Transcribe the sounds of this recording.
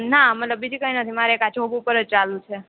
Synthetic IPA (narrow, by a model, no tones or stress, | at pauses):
namət̪ləb̚ːid͡ʒikəinət̪ʰimaɾeekat͡ʃʰoɡupəɾəd͡ʒt͡ʃalũt͡ʃʰe